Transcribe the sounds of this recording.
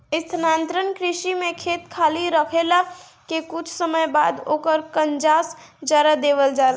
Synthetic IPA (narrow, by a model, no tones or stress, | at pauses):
ɪst̪ʰənaːnt̪ɾənkɾɪʃimẽkʰeːt̪kʰaːliɾəkʰela | kekʊt͡ʃʰsəməjbaːd̪o̰ːkəɾkənd͡ʒaːs | d͡ʒaɾad̪eːʋəld͡ʒaːɾ